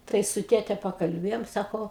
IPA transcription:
ˈtɐɪ sʊ ˈtʲeːtʲɛ pɐkɐlʲˈbʲeːjoːm ˈsɑːkoː

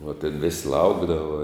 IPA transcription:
ʋɐ tʲeːn ʋʲɪsʲ ˈlˠɐʊɡdɐʋɐ

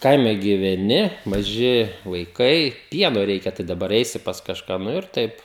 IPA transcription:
ˈkɐɪmʲɛ ɡʲiːʋʲɛˈnʲɪ mɐˈʒʲɪ ʋɐɪˈkɐɪ ˈpʲiɛnoː ˈrʲɛɪkʲɛ tɐɪ dɐˈbɐr ˈɛɪsʲɪ pɐs kɐʃˈkɑː ˈnʊ ɪr ˈtɐɪp

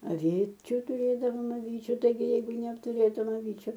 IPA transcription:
ɐˈʋʲiːt͡ʃʲʊ tʊˈrʲeːdɐʋoːm ɐˈʋʲiːt͡ʃʲʊ tɐɪˈɡʲɪ ˈjɛɪɡʊ nʲɛɐptʊˈrʲeːtʊm ɐˈʋʲiːt͡ʃʲʊ

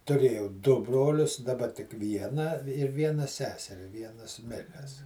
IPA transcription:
tʊˈrʲeːjɛʊ dʊ ˈbroːlʲʊs dɐˈbɐ tʲɪk ˈʋʲiɛnɑː ɪr ˈʋʲiɛnɐ ˈsʲæːsʲɛrʲɪ ˈʋʲiɛnɐs ˈmʲɪrʲæːs

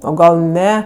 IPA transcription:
oː ˈɡɐlˠ ˈnʲɛ

